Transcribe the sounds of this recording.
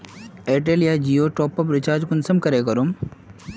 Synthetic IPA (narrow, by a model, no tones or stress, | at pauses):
eːʈ̬elijad͡ʒiːjoʈɔːpɐpɾɪt͡ʃaːd͡ʒkʊnsɐmkɐɾekɐɾum